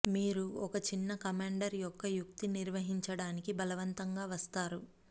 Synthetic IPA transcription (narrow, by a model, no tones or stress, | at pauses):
miːɾuɔkɐt͡ʃinːɐkɐmaːɳɖɐɾjɔkːɐjukt̪iniɾʋɐɦiɲt͡ʃɐɽaːnikibɐlɐʋɐnt̪ɐŋɡaːʋɐst̪aːɾu